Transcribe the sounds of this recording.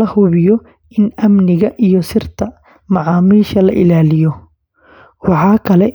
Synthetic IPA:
ɐhʊβɪjɔ | ɪnɐmnɪɣɐʔijɔsɪrt̪ʰɐ | mɑʕɑːmiːʃɐlɐ̰ʔɪlaːlɪjɔ | wɑħɑːkʰɐlɛ

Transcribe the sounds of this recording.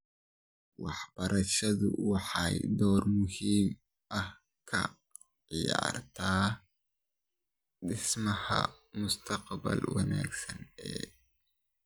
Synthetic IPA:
wɑħb̥ɐɾʔɐʃɐðʊ̰wɑħɑjd̪ɔːrmʊhiːm | ʔɐh | kʰɐ̰ | ʕɪjaːrt̪ʰaː | ɗɪsmɐhɐ̰ | mʊst̪ʰɐqbɐ̰lwɐna̰ːɡsɐnɛ̰

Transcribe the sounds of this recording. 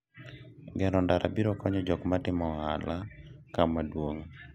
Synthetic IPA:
ɡɛɾɔndaɾa̰biɾɔkɔɲɔd͡ʒɔkmatɪmɔha̰lakamadwoŋ

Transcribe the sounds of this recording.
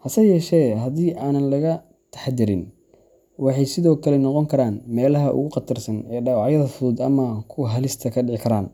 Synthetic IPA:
hɐsɐjɛːʃɛːɦɐðiːʔaːnɐnlɐɣɐ | t̪ʰɐ̥ħd̪ɪɾɪ̰n | wɑħɑjsɪðɔːkʰɐlɛnɔqɔŋkʰɐɾaːnmɛːlɐɦɐʔʊ̰ɣʊqɑt̪ʰɐrsɐnɛːɖɑːwɑʕjɐðɐfʊðuːd̪ɐmɐkʰʊɦɐlɪst̪ʰɐkʰɐɖɪʕɪkʰɐɾaːn

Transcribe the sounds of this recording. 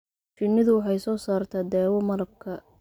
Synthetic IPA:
t͡ʃɪnːɪðʊwɑħɑjsɔːsaːrt̪ʰaːd̪ɛːwɔmɐɾɐb̚kʰɐ

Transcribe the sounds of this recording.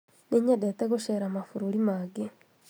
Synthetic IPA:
niɲadeteɣuʃeɾamafuɾulimaɡe

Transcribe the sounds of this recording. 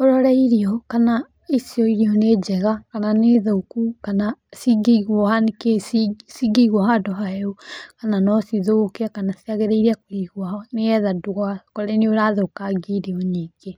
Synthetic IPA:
oɾɔɾaiɾiɔkana | isiɔiɾiɔned͡ʒɛɣakananeðoukukanasiɡeiɣwɔhanekesiɡeiɣwahadɔɦaɛokananɔsiðokeakanasiaɣeɾeiɾiakoɾiɣwahɔneɛðaduɣakoɾeneoɾaðokaɡiɾiɔɲiːɡ̥e

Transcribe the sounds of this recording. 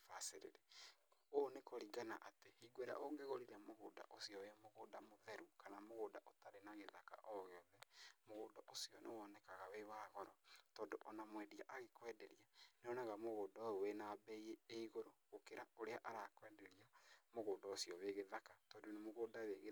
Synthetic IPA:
faseɾḛɾeonekoɾiɡana̰ʔatehiɡweɾa̰ʔoɡeɣoɾiɾamoɣoːda̰ʔosiɔwemoɣodamoðɛɾukʰanamoɣoːdaʔotaɾenaɣeðaka̰ʔɔɣeɔðɛmoɣoːdɔʔosiɔnewɔnɛkaɣawewaːɣɔɾɔtɔːndoʔɔnamwɛdiaʔaɣekwɛːdɛɾianeɔnaɣamoɣoːdɔowenabɛieeiɣoɾoɣokeɾaoɾeaʔaɾakwɛdɛɾiamoɣoːdɔosiɔweɣeðakatɔːdonemoɣoːdaweɣ

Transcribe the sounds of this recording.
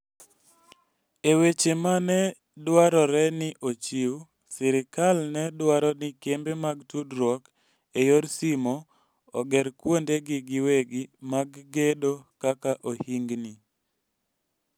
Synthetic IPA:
ewet͡ʃemanɛ | dwaɾɔɾɛnɪʔot͡ʃiw | sɪɾɪkalnɛdwaɾɔnɪkembemaɡtudɾɔk | ejoɾsimɔ | ɔɡɛɾkwondeɡɪɡɪweɡimaɡːedokakaʔohiŋɡni

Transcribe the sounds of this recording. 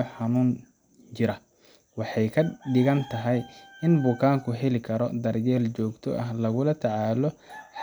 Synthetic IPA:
ɐħɑnuːn | t͡ʃɪɾɐ | wɑħɑjkʰɐɖɪɣɐnt̪ʰɐɦɛjɪnbʊkʰaːŋkʰʊɦɛlɪkʰɐɾɔd̪ɐrjɛːlt͡ʃɔːɡt̪ʰɔ̰ʔɐɦlɐɣʊlɐt̪ʰɐʕaːlɔħ

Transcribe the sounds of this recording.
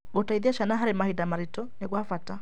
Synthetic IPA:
ɡotaiðiaʃanaɦaɾemahidamaɾitɔneɣwafata

